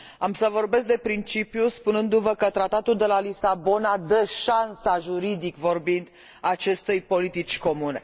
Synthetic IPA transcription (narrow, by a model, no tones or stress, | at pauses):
amsəvo̞rbe̞s̬k̚d̪e̞pɾint͡ʃipjuspunɨnd̪uvəkət̪ɾat̪at̪uld̪e̞lalisabo̞nad̪əʃansaʒuɾid̪ikvo̞rbind̪ | aːt͡ʃe̞st̪ujpo̞lit̪it͡ʃʲko̞mune̞̰